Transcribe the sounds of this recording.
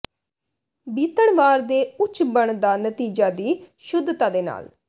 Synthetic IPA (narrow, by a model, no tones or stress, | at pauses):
biːt̪əɽʋaːɾd̪eːʊt͡ʃʰbəɳd̪aːnət̪iːd͡ʒaːd̪iːʃʊd̪ːt̪aːd̪eːna̰ːl